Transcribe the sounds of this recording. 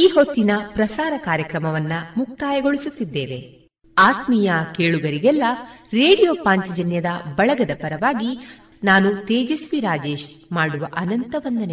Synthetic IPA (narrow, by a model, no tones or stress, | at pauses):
iːɦo̞t̪ːinɐpɾɐsaːɾɐkaːɾjɐkɾɐmɐʋɐnːɐmuk̚t̪aːjɐɡo̞ɭisut̪ːid̪ːeːʋe̞ | aːt̪mijɐkeːɭuɡɐɾiɡɛlːɐɾe̞ːɽijoːpaːɲt͡ʃɐd͡ʒɐnjɐd̪ɐbɐɭɐɡɐd̪ɐpɐɾɐʋaːɡi | naːnut̪eːd͡ʒɐsʋiɾaːd͡ʒe̞ːʃmaːɽuʋɐʔɐnɐnt̪ɐʋɐnd̪ɐne